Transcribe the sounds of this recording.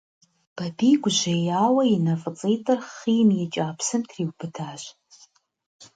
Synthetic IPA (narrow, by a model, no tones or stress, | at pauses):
b̥ɐdiːɡʷʊʑejaːwɐjɪnɐfʼət͡sʼejtʼɐrχiːmjɛt͡ʃʼaːpʰsɨmtʰriːwbɨdʰaːʒ